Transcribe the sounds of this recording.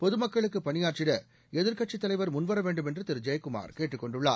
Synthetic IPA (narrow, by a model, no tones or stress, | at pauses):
pɔðɯmɐkːɐɭɯkːɯpɐnɪjaːɾt͡ʃɪɽɐ | ɛðɪɾkɐʈ̚t͡ʃːɪt̪ːɐlɐɪʋɐɾmʊnʋɐɾɐʋeːɳɖɯmɛndrɯt̪ɪɾd͡ʒɐjkʊma̰ːɾkeːʈːɯkːɔɳɖɯɭːa̰ː